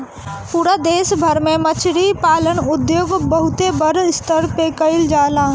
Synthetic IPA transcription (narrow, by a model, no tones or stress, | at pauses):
puːɾad̪eːsbʱɐɾmẽmɐt͡ʃʰɾipaːlənʊd̪joːɡbəɦʊt̪ebɐɾst̪əɾpekəɪld͡ʒaːlaː